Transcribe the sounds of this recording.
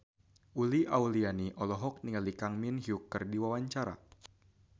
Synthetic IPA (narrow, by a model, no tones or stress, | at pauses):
ʔuliʔaulianiʔɔlɔɦɔk̚niŋalikaŋminɦiukərdiwawaɲt͡ʃaɾa̰